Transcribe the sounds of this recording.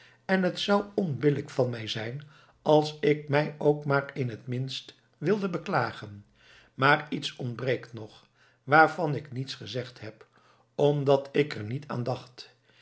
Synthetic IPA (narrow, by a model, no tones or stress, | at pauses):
ɛnɦətsʌwɔnbɪləkfɑnmɛjzɛjn | ɑlˠsɪk̚mɛjowkmaːrɪnɦətmɪnst | ʋɪlˠdəbəklaːχən | maːritsɔntbrejktnɔχ | ʋaːɹvɑnɪknitsχəzɛχtɦɛp | ɔmdɑtʰɪkəɹnitʰa̰ːndɑχt